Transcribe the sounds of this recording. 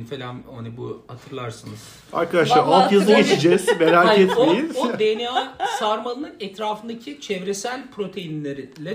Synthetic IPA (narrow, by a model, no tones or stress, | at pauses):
nfelʲamonibuhat̪ʰɯɾlˠaɾsɯnɯz̥ | a̰ɾkʰad̪aʃlˠaɾalˠjazˠaɡet͡ʃʰid͡ʒɛz̥meɾaːkɛt̪omejinod̪eniasaɾmanˠɯnˠɯnɛt̪ɾaːfɯnd̪acʰit͡ʃʰɛvɾesælʲpʰɾo̞t̪ʰe̞jinlʲeɾilʲɛ